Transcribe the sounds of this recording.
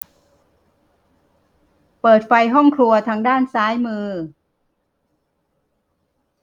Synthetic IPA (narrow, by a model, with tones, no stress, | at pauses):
pɤː˨˩t̪̚fa˧jɦɔ˥˩ŋkʰlu˧ɐt̪ʰaː˧ŋdaː˥˩nsaː˦˥jmɯː˧